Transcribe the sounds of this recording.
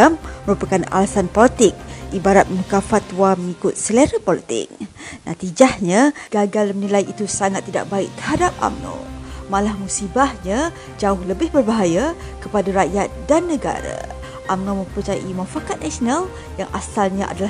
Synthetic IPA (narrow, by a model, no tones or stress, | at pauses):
amːəɾupakana̰lasanpɔlit̪ɪk̚ʔibaɾat̪̚mukafat̪waməŋikʊt̪̚səleɾəpɔlit̪ɪ̰k̚ | na̰t̪id͡ʒahɲaɡ̥aɡalnilajit̪usaŋat̪ːida̰ʔ̚baɪk̚t̪ərɦadap̚ʔa̰mno̰wmalahmusibahɲa | d͡ʒaʊhləbɪhbərbaɦaja | kəpadaɾaʔjat̪̚danːəɡa̰ɾa̰ | ʔamnomə̃mpərt͡ʃaja̰ʔimãfakat̪̚nasional | jaŋʔa̰salɲaʔa̰dala